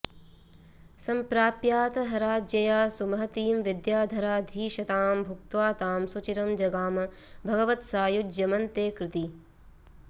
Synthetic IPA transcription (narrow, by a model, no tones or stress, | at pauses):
sɐmpɾaːpjaːt̪ɐɦɐɾaːd͡ʒjɐjaːsumɐɦɐt̪iːmʋid̪jaːd̪ʱɐɾaːd̪ʱiːʃɐt̪aːmbʱuk̚t̪ʋaːt̪aːmsut͡ʃiɾɐmd͡ʒɐɡaːmɐ | bʱɐɡɐʋɐt̪saːjud͡ʒjɐmɐnt̪eːkɾɪt̪i